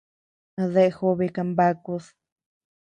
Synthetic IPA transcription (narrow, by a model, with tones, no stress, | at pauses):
ðe˧ʔxu˧βi˧ka˧mba˦ku˧s